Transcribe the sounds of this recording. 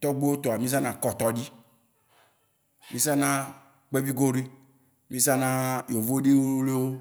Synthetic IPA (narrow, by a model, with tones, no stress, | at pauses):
t̪ɔ˦ɡ͡be˦wo˦t̪o˨a˨mĩ˦s̬a˦nã˨kɔ˨t̪ɔ˨di˦ | mĩ˦sa˦nã˦ | k͡pe˦vi˦ɡo˦ɾi˦ | mĩ˦sa˦nã˦jo˨vo˦de˦wo˦o˦le˦wo˦